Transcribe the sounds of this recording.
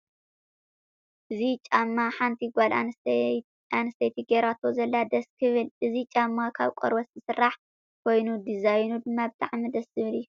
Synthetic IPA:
ʔɨzit͡ʃʼamːaħant̪ʰiɡʷala | anɨst̪ʰɐjt̪ʰiɡeɾat̪ʰozɐlːad̪ɐskʰɨβɨlʔɨzit͡ʃʼamːakʰa̰βkʷʼɔ̰ɾbɐszɨsɨrːaħ | kʰo̞jnud̪izajnud̪ɨmːabɨt̪ʼaʕmid̪ɐszɨβɨlɨjːu

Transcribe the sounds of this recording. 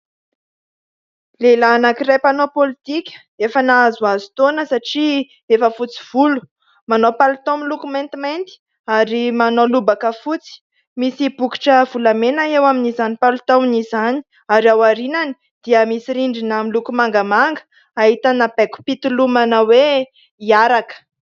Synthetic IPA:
lelaːnakiɾepanopolit̪ikʲə̥ | efənaazuazut̪onəsaʈ͡ʂi | efəfut͡si̥v̥ulu̥ | manopalut̪omilukumẽnt̪iment̪i̥ | aɾimanolubakəfut͡si̥ | misibuki̥ʈ͡ʂəvulamenaewaminizanipalut̪amnizani̥ | aɾiawaɾinani̥ | d̪̥iəmisiɾiɳɖ͡ʐinamilukumaŋɡamaŋɡə̥ | aɦit̪anabeku̥pit̪ulumanəwe | iaɾakə̥

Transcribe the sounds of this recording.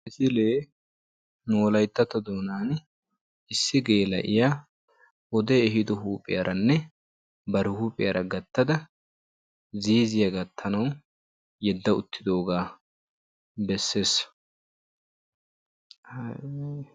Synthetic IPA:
ʔɪsɪleː | noːlɐjt̪ːɐt̪ɐd̪oːnaːn | ɪsːɪɡeːlɐ̰ʔɪjaː | ɔd̪eːɛɦɪd̪ɔɦuːpʼɪjɐɾʔɐnːɛ | bɐɾɪhuːpʼɪjɐɾʔɐɡɐt̪ːɐd̪ɐ | ziːzɪjɐɡɐt̪ʰːɐnɐw | jɛd̪ːɐʊ̰t̪ʰːɪd̪o̞ːɡaː | bɛsːe̞ːsː

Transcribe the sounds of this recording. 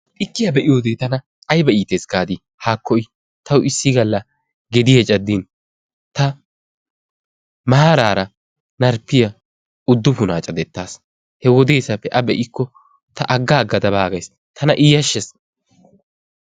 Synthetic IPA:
ʔɪkːɪjɐbɛʔɪjoːd̪eːt̪ɐnɐ | ʔɐjbɐiːt̪eːsɡaːd̪iː | haːkːɔɪ | t̪ɐwɪsːɪɡɐlːɐ | ɡɛd̪ɪjɐt͡ʃʼɐd̪ːiːn | t̪ɐ | mɐaːɾaːɾɐ | nɐɾpːɪjɐ | ʊd̪ːʊfʊnaːt͡ʃʼɐd̪ɛt̪ːaːs | hɛwɔd̪e̞ːsɐpːɛʔɐbɛʔɪkːɔ | t̪ɐʔɐɡːaːɡɐd̪ɐbaːɡɐjs | t̪ʰɐnɐʔɪjɐʃːɛs

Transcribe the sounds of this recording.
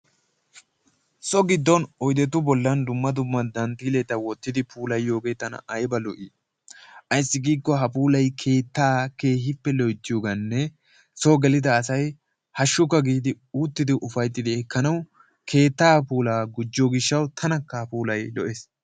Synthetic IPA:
sɔɡɪd̪ːɔnɔjd̪ɛt̪ːʊbɔlːɐnd̪ʊmːɐd̪ʊmːɐd̪ɐnt̪iːlɛt̪ːɐwɔt̪ːɪd̪ɪpʰuːlɐjːo̞ːɡet̪ɐnɐ̰ʔɐjbɐlɔʔi | ʔɐjsːɪɡiːkːɔɦɐpuːlɐjkʰe̞ːt̪ːaːke̞ːhɪpːɛlɔjt̪ːɪjoːɡɐnːɛ | soɡɛlɪd̪ɐːsɐj | hɐʃːʊkːɐɡiːd̪ɪ | uːt̪ːɪd̪ɪʔʊfɐjt̪ːɪd̪ɪɛkːɐnɐw | kʰe̞ːt̪ːaːpuːlaːɡʊd͡ʒːɔɡɪʃːɐwt̪ʰɐnɐkːɐhɐpuːlɐjlɔʔes

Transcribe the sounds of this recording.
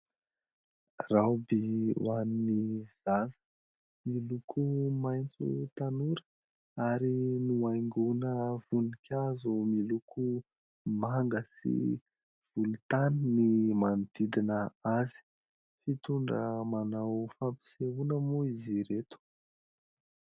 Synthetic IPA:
rawbiwaniniz̥azə̥ | milukʰumajnt͡sṵt̪anuɾə̥ | aɾinuajŋɡunəv̥unikʰʲazumilukʰu | maŋɡəsḭ | v̥ulut̪annimant̪id̪inəazi̥ | fit̪uɳɖ͡ʐəmanawfampi̥seɦunəmuiziɾet̪u̥

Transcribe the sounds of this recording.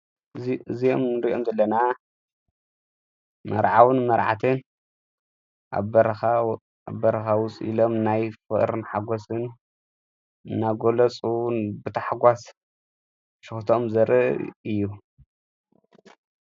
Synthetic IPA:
ɨzijomnɨɾiʔomzɐlːɐna | mɐ̰ɾʕawɨnmɐɾʕa̰t̪ʰɨn | ʔa̰ɐɾxa | a̰βbɐɾɐxawʊsʼḭlomnajfɨʔɾɨnħaɡosɨn | nːaɡolɐt͡sʼubɨt̪ʰaħaɡʷas | ʃɨxt̪ʰomzɐɾʔɨ̰ʔɨjːu

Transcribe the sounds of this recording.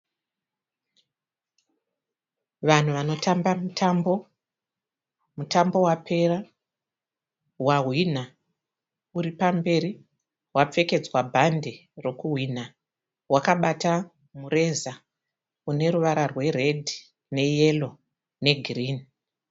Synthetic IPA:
ʋan̤uʋano̞tʰambamtʰambo | mutʰambo̞wapʰe̞ra | waɦwin̤a | uɾipambe̞ɾi | wap͡fe̞ke̞d͡zwabʱande̞ro̞kuɦwin̤a | wakaɓata | mure̞za | une̞ɾuʋaɾarwe̞re̞dʱi | ne̞je̞lo̞ | ne̞ɡʱiriːni

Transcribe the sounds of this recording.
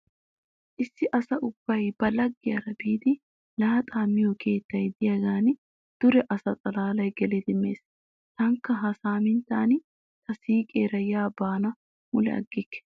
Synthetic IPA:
ʔɪsːɪʔɐsɐʔʊb̥ːɐjb̥ɐlɐɡːɪjɐɾɐbiːd̪ɪ | lɐːɐt̪ʼaːmːɪjokʰe̞ːt̪ːɐjd̪ɪjɐɡaːnɪ | d̪̥ʊɾɛʔɐsɐt͡sʼɐlaːlɐjɡɛled̪ɪmːe̞ːs | t̪ɐŋkːɐɦɐsaːmɪnt̪aːnɪ | t̪ɐsiːkʼeːɾɐjaːbaːnɐ | mʊlɛ̰ɐ̰ɡːɪkːɛ̥

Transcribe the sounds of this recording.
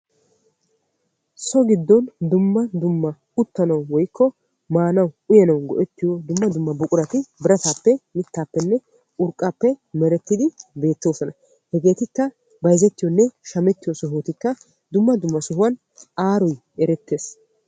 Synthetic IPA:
sɔɡɪd̪ːɔnd̪ʊmːɐd̪ʊmːɐ | ʊt̪ːɐnɐwwɔjkːɔ | maːnɐwʊjɐnɐwɡɔ̰ʔɛt̪ːɪjɔd̪ʊmːɐd̪ʊmːɐbʊkʼʊɾɐt̪ɪbɪɾɐt̪aːpːɛmɪt̪ːaːpːɛnːɛ | ʊɾkʼːaːpːɛmɛɾɛt̪ːɪd̪ɪbe̞ːt̪ːoːsɔnɐ | hɛɡe̞ːt̪ɪkːɐ | bɐjzɛt̪ːɪjɔnːɛʃɐmɛt̪ːɪjɔsɔɦoːt̪ɪkːɐ | d̪ʊmːɐd̪ʊmːɐsɔɦʊwɐn | aːɾɔj | ɛɾɛt̪ːe̞ːs

